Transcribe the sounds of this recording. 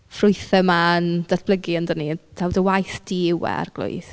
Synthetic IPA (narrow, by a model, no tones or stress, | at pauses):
frʊɨθɛmand̥atb̥ləɡiəndənid̥ʰawdəwajθd̥iɪwɛ̰a̰rɡ̥lˠʊ̰jθ